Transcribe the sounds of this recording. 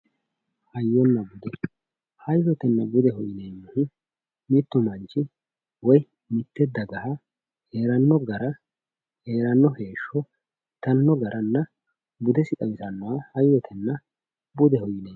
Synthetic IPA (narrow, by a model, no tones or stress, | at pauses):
hɐjːɔnːɐbʊd̪ɛ | hɐjːɔt̪ɛnːɐbʊd̪ɛhɔjɪnejmːʊhʊ | mɪt̪ːʊmɐnt͡ʃːɪ | wɔj | mɪt̪ːɛd̪ːɐɡɐhɐ | he̞ːɾɐnːɔɡɐɾɐ | he̞ːɾɐnːɔhe̞ːʃːɔ | t̪ɐnːɔɡɐɾʔɐnːɐ | bʊd̪ɛsɪt̪ɐwɪsɐnːɔwahɐjːɔt̪ʰɛnːɐ | bʊd̪ɛhɔjɪnej